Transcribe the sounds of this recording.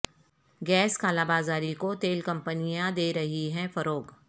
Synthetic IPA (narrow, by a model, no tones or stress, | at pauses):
ɡɛːskaːlaːbaːzaːɾikot̪eːlkɐ̃mpənijãd̪eːɾɐɦiɦɛ̃fɐɾoːɡ